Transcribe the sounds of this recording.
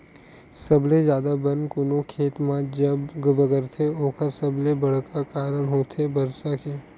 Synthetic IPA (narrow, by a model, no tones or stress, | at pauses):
sɐblezjaːd̪abɐnkʊnõkʰeːt̪mãd͡ʒɐbɡbəɡəɾt̪ʰeoːkəɾsɐblebɐɽ̤kakaːɾəɽ̃ɦoːt̪ʰebɐɾsakeː